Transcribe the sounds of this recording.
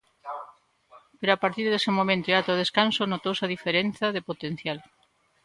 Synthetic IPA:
peɾoapaɾt̪iɾðesɪmomẽnt̪oeat̪oðeskansonot̪owsaðifeɾen̟θɐðepot̪en̟θjal

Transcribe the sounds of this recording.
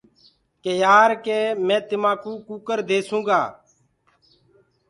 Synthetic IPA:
keːjaːɾkeːmɛ̃ːt̪ɪmãːkuːkuːkəɾd̪eːsũːɡaː

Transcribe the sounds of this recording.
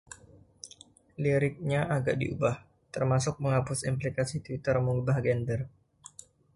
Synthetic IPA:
liɾɪk̚ɲaʔaɡaʔdḭʔubah | t̪ərmasʊk̚məŋapʊsimp̬likasit̪wit̪ərmuŋbahɡɛndər

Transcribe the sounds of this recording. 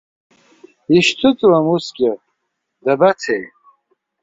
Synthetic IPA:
iʃtʰɨt͡sʼwamusɡʲɪ | dabat͡sʰejʼ

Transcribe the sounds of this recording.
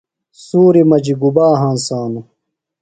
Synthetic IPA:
suːɾimɐd͡ʑiɡubaːɦãːnsaːnu

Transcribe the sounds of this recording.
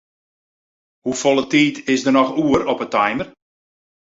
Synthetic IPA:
hufolˠətiːtʰɪsdərnɔxuːəɾɔpətajmər

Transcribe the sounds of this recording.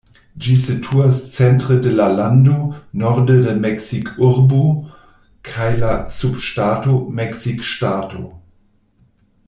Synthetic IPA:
d͡ʒisetʰuɐst͡sɛntʁ̥ədelalandonɔʁdədɛmɛksikʰʊʁbo | kʰajlasupʃtaːtomɛksikʃtaːtʰo̰

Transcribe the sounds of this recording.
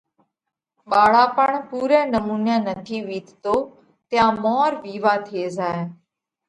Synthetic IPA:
ɓaːɭ̤aːpəɳpuːɾẽːnəmuːnãːnət̪ʰiːʋiːt̪t̪oː | t̪ɪjãːmɔːɾʋiːʋaːt̪ʰeːzaːe

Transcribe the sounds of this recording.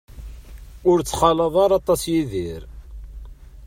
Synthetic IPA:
ʊɾt͡sːχɑləðˤɑɾˤɑt̪ˤɑsjiðiɾ

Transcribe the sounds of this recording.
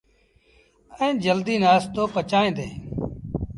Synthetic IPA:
əẽːd͡ʒəld̪iːnaːst̪oːpət͡ʃaːẽːd̪eː

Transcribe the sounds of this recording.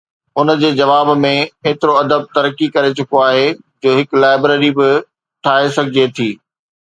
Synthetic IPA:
ʊnd͡ʑeːd͡ʑɐʋaːbmẽeːt̪ɪɾoɐd̪əb̚t̪ɐɾəkːikɐɾet͡ɕʊkoaːɦe | d͡ʑoːɦɪklaːɪbɾeːɾibɪ | ʈʰaːɦesɐɡʱɪd͡ʑet̪ʰiː

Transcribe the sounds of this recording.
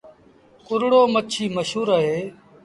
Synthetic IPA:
kʊɾɽoːmət͡ʃʰiːməʃɦuːɾaːɦeː

